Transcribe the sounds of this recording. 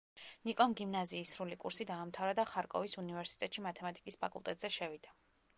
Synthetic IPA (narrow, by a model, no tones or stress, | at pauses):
nikʼɔmɡimnaziːsɾulikʼṵɾsid̪aːmt̪ʰavɾad̪aχaɾkʼɔ̰visunivɛɾsi̥t̪ʼɛt̪ʼʃimat̪ʰɛmat̪ʼikʼispʰakʼṵlˠt̪ʼɛ̰t̪ʼzɛʃɛvid̪a